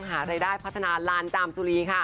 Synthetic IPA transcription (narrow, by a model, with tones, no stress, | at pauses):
ŋɦaː˩˦ɾaː˧jdaː˥˩jpʰt̪ʰːa˧naː˧laː˧˥nt͡ɕaː˧mt͡ɕuː˧ɾiː˧kʰa˥˩